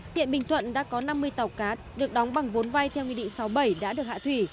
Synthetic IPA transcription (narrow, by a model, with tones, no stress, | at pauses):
hḭ˧˨ənɓï˨˩ŋ̟t̪ʰwə̰˧˨nɗa̰ː˧˥kɔ˨˦na˧mːɨ˧əjt̪a˨˩wkaː˨˦t̚ɗɨ˨˩ək̚ɗɔ˨˦wŋ͡mɓa˨˩ŋvo˨˦nva˧jt̪ʰɛ˧wkwi˧ɗḭ˧˨ŋ̟sa˨˦wɓə˧˩jɗa̰ː˧˥ɗɨ˨˩ək̚a̰ː˧˨t̪ʰwi˧˩